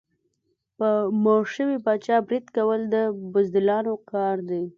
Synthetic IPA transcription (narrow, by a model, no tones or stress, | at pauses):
pəmoʃəwibɑt͡ʃɑbɾid̪kawəld̪əbʊzd̪ɪlɑnokɑɾd̪e